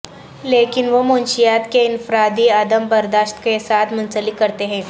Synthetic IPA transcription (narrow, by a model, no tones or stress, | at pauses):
leːkɪnʋomonʃijat̪keɪnfɾad̪iəd̪əmbəɾd̪aːʃt̪kesaːt̪ʰmʊnt͡səlikəɾt̪eɦɛ̃ː